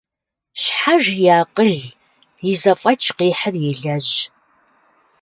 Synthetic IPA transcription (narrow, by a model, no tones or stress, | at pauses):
ɕħaʒjaːqəɮ | ɪzɐfʼɐt͡ʃʰʼqiːħərjɪɮɐʑ